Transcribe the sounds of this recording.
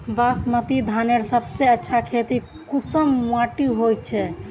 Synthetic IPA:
basmət̪id̪ʱaneɾsəbseətːʃʰakʰet̪i | kusəmwaʈiɦojt͡ʃʰɛ

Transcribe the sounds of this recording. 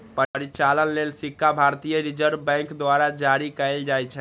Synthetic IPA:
pəəɾit͡ʃalənlelsikʰːabʱaɾt̪ijəɾid͡ʒəɾbbɛ̃ŋkd̪waɾad͡ʒaɾikɛɪld͡ʒajt͡ʃʰɛ

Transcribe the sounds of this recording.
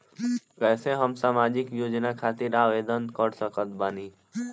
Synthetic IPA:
kɛːseɦəmsaːmaːd͡ʒɪkjoːd͡ʒnakʰaːt̪ɪɾaːʋeːd̪ənkəɽsəkət̪baːniː

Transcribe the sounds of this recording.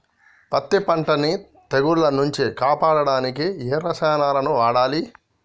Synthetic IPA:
pɐt̪ːipɐɳʈɐni | t̪eɡuɾlɐnuɲt͡ʃikaːpaːɽɐɽaːnikieːɾɐsɛːnaːlɐnuʋaːɽaːli

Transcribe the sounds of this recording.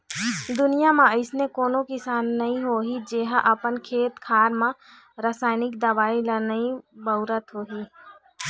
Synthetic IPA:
d̪ʊnijamãəɪsnekoːnokɪsaːnːɐɦĩɦoːɦid͡ʒeːɦaʔəpənkʰeːt̪kʰaːɾmã | ɾəsaːɪnɪkd̪əʋaːilənəĩbəʊɾət̪ɦoːɦiː

